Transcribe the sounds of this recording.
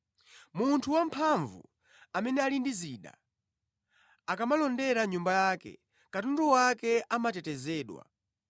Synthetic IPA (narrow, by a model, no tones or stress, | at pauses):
muntʰuwampʰaɱvṵ | amɛnɛalindiziɗa̰ | akamalɔndɛɾaɲumbajaːkɛ̰ | katundɔwakɛʔamatɛtɛzɛːɗwa̰